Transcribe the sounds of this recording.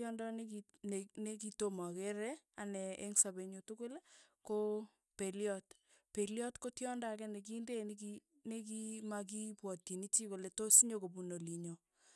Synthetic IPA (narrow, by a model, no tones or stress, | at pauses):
jɔndɔneki | nenek̬itomakeɾɛanɛḛŋsabeɲutukol | ko | peliɔt | peliɔtkotjɔndakɛnek̬indenki | nek̬imak̬ipwɔtːinit͡ʃikoletosiɲokobunoliɲo